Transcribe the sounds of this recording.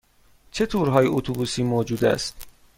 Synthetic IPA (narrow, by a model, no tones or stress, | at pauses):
t͡ʃʰet̪ʰuːɾɦɒːjeot̪ʰubuːsiːmoːd͡ʒuːd̪æ̰st̪